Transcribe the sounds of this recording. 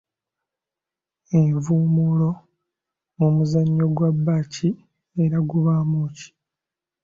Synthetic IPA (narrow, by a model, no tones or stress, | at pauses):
eɱvuːmulo̞ | omuzaɲːo̞ɡwabːaːci | eɾaɡuβaːmuːci̥